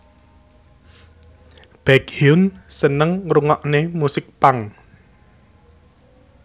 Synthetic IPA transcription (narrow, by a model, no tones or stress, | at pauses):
b̥ɛkhinsənəŋruŋɔʔnemusɪk̚paŋ